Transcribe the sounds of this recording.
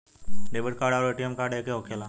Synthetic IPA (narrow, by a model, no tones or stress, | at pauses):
ɖeːbɪʈkaːɾɖaɾeːʈijemkaːɖekeɦoːkʰela